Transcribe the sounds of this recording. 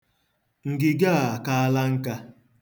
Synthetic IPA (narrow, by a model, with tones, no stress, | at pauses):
ŋ̩˨ɡɪ˨ɡa˦˨a˨ka˦a˦la˦ŋ̩˦ka˦